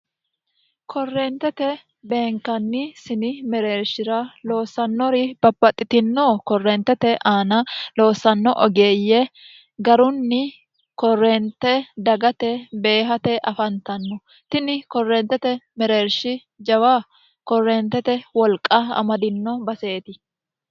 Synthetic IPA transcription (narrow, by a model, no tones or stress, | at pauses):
kʰɔrːeːnt̪ɛt̪ɛ | be̞ːŋkːɐnːɪsɪnɪmɛɾe̞ːɾʃɪɾɐlo̞ːsɐnːɔɾɪb̥ɐbːɐt̪ʼːɪt̪ɪnːoːkɔrːeːnt̪ːɛt̪ɛʔaːnɐlo̞ːsɐnːɔʔɔɡe̞ːjːɛ | ɡɐɾʊnːɪ | kɔrːeːnt̪ːɛd̪ɐɡɐt̪ɛbe̞ːɦɐt̪ɛʔɐfɐnt̪ɐnːɔ | t̪ɪnɪkɔrːeːnt̪ɛt̪ɛmɛɾe̞ːɾʃɪ | d͡ʒɐwaː | kɔrːeːnt̪ɛt̪ɛwɔlkʼːɐɐ̰mɐd̪ɪnːɔbɐse̞ːt̪ɪ